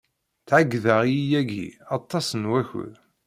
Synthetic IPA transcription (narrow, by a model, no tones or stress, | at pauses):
θʕaɡːðaʁjijæɡḭɑt̪ˤːɑsənwæçʊ̰ð